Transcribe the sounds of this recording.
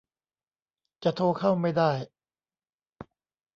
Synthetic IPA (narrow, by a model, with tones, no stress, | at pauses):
t͡ɕa˨˩t̪ʰoː˧kʰa˥˩wma˥˩jdaː˥˩j